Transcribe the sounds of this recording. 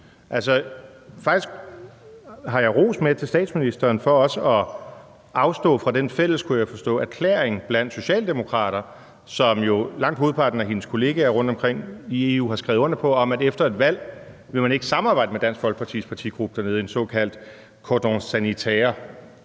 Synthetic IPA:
ʔælsɒ̽ | fɑ̈ɡ̥isɡ̥ | ɦɑ̈jɑ̈ɪʁo̝̰ːsmeðˠt͡sʰe̝lsd̥ɛ̰ːd̥sminisd̥ɐːnfɒ̽ɒ̽səʔɒ̽ | ɑ̈ʊsd̥ɔ̰̽ːfʁɑ̈d̥enfel̰əskʰujaɪfɒ̽sd̥ɔ̰̽ːæɐkʰlḛɐeŋb̥læn̰d̥so̝ɕɛ̰ːld̥e̝mo̝kʰʁɑ̰̈ːɾ̥ɐ | sɒ̽mjo̝lɑ̈ŋ̰d̥hoːð̞ˠpʰɑ̈d̥n̩æɦe̝nəskʰo̝le̝ːɡ̥ææʁɔ̽n̰d̥ɒ̽mkʰʁeŋ̰ie̝ṵːhɑ̈sɡ̥ʁɛʊðˠɔ̽n̰̥ɐpʰɒ̽ɒ̽mædefd̥ɐe̝d̥ʋæl̰ | ʋe̝mæne̝ɡ̥əsɑ̈mɑ̈bɑ̈ɪ̰d̥əmed̥æn̰sɡ̥ʋɒ̽lɡ̥əpʰɑt͡sʰḭspʰɑ̈t͡sʰḭɡ̥ʁub̥ə̥d̥æɐne̝ð̞ˠensɔ̰̽ːkʰæl̰d̥ | kʰɒd̥oŋsænit͡sʰeːɐ

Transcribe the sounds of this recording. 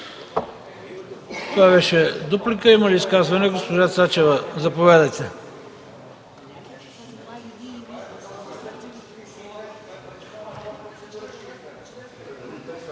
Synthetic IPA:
t̪ovabɛʃɛd̪oplikəiməliːskazvɐnɛɡospoʒat̪sat͡ʃɛvəzɐpovad̪ət̪ʲɛ

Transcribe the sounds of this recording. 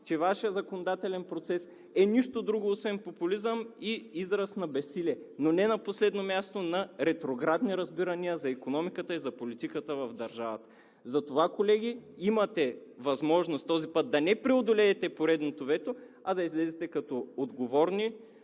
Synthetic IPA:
t͡ʃɛvaʃijəzɐkonod̪at̪ɛlɛnpɾot̪sɛs | ɛniʃt̪od̪ɾuɡoːsvɛnpopulizəmiizɾəsnɐbɛsilɛnonɛnɐposlɛd̪nomʲjast̪onɐɾɛt̪ɾoɡɾad̪niɾɐzbiɾɐniəzɐikonɔmikət̪əizɐpolit̪ikət̪əvɐvd̪ɐɾʒavɐt̪ə̥ | zɐt̪ovakolɛɡ̟iimɐt̪ɛvɐzmɔʒnost̪t̪ɔzipɤt̪̚d̪ɐnɛpɾiod̪olɛːt̪ɛpoɾɛd̪not̪ovɛt̪o | ɐd̪ɐizlɛzɛt̪ɛkɐt̪ɔod̪ɡovɔɾni

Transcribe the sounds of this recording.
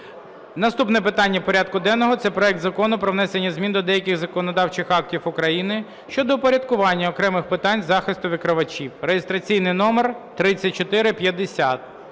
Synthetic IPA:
nɐst̪upnɛpɪt̪ɑnʲːɐpɔɾʲad̪̚kʊd̪ɛnːɔɦɔt̪sɛpɾɔɛk̚t̪zɐkɔnʊpɾɔʋnɛsenʲːɐzʲmʲind̪ɔd̪ɛjɐkʲɪɣzɐkɔnɔd̪ɑwt͡ʃɪxɑk̚tʲiwʊkɾɐjinɪ | ʃt͡ʃɔd̪ɔpɔɾʲɐd̪kʊʋɑnʲːɐɔkɾɛmɪxpɪt̪ɑnʲzɑxɪst̪ʊʋʲɪkɾɪʋɐt͡ʃʲiwrejest̪ɾɐt͡sʲijnɪjnɔmert̪ɾɪt͡sʲːɐt̚ʲt͡ʃɔt̪ɪɾɪpʲjɐd̪esʲat̪̚

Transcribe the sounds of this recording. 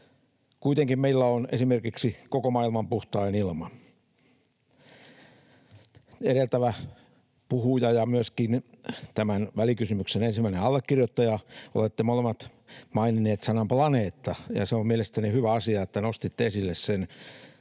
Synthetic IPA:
kuit̪eŋkimmeilːæonesimerkiksikokomɑilmɑmpuht̪ɑinilmɑ | eɾelt̪æʋæ | puhujɑjɑmyøskint̪æmænʋælikysymyksenensimːæineɑlːekːirjot̪ːɑjɑo̰let̪ːemolemːɑt̪ | mɑinineːt̪sɑnɑmplɑneːt̪ːɑjɑ̰seommielest̪ænihyʋæɑsiɑet̪ːænost̪it̪ːeesilːessen

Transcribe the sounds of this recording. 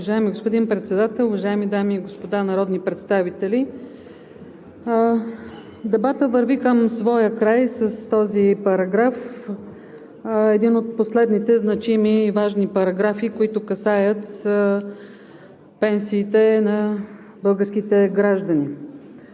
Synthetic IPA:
ʊvɐʒaɛmiɡospod̪inpɾɛt̪sɛd̪at̪ɛlˠʊvɐʒaɛmid̪amiːɡospod̪anɐɾɔd̪nipɾɛt̪st̪avit̪ɛlʲi | d̪ɛbat̪əvəɾvikəmsvɔjəkɾajsəst̪ɔzipɐɾɐɡɾaf | ɛd̪inot̪̚poslɛd̪nit̪ɛznɐt͡ʃimiːvaʒnipɐɾɐɡɾafikoit̪ʊkɐsajət̪ | pɛnsiːt̪ɛnɐ | bɤlˠɡəɾsk̟it̪ɛɡɾaʒd̪əni

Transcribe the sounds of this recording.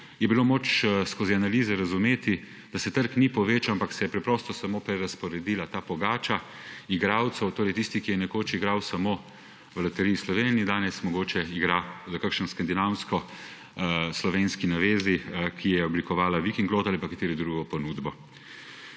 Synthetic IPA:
jɛbiloːmoːt͡ʃskoːzianaliːzɛɾazumeːt̪i | d̪̥asɛt̪əɾknipɔʋeːt͡ʃawampaksɛjɛpɾɛpɾɔst̪ɔsamoːpɾɛɾaspɔɾɛd̪iːlat̪aːpɔɡaːt͡ʃa | iɡɾaːwt̪sɛwt̪oːɾɛjt̪ist̪ikijɛnɛkoːt͡ʃiɡɾawsamoː | ʋlɐt̪ɛɾijislɔʋenid̪aːnɛsmɔɡoːt͡ʃɛiɡɾazakakʃənskand̪inawnskɔ | slɔʋenskinaʋeːzikʰijɛjɛɔblikɔʋaːlaʋikiŋɡloːt̪alipakat̪eːɾɛd̪ɾuɡɔpɔnuːd̪bɔ

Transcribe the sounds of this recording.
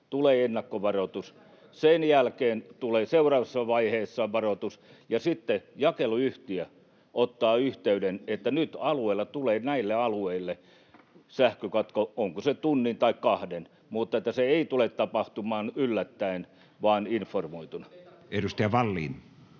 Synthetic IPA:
t̪uleːenːɑkːoʋɑrot̪us | senjælkeːnt̪uleːseurɑːʋɑsːɑʋɑiheːsːɑʋɑrot̪us | jɑsit̪ːejɑkeluyht̪iæ | ʔot̪ːɑːyht̪eydenet̪ːænyt̪ɑlueilːˑɑt̪uleːnæilːeɑlueilːe | sæhkøkɑt̪kooŋkoset̪unːint̪ɑikkɑhden | mut̪ːet̪ːæseeit̪ulet̪tɑpɑht̪umɑːnylːæt̪ːæin | ʋɑːninformoit̪unɑ | edust̪ɑjɑʋɑlːḭːn

